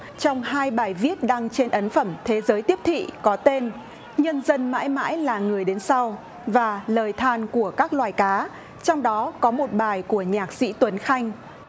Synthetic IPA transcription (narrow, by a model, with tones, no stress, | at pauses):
t͡ɕɔ˧wŋ͡mhɦaː˧jɓaː˨˩jvi˦˥ət̚ɗaː˧ŋt͡ɕe˧nʔə˨˦nfə˧˩mt̪ʰe˨˦zəː˨˦jt̪i˦˥əp̚t̪ʰḭ˧˨kɔ˨˦t̪e˧n | ɲə˧nzə˧nma̰ː˧˥jma̰ː˧˥jlaː˨˩ŋɨ˨˩əjɗe˨˦nsa˧w | vaː˨˩ləː˨˩jt̪ʰaː˧˩nku˧˩əkaː˦˥k̚lwaː˨˩jkaː˨˦ | t͡ɕɔ˧wŋ͡mɗɔ˨˦kɔ˨˦mo˨˩t̚ɓaː˨˩jku˧˩əɲaː˨˩k̚sḭ˧˥t̪wə˨˦nxa˧jŋ̟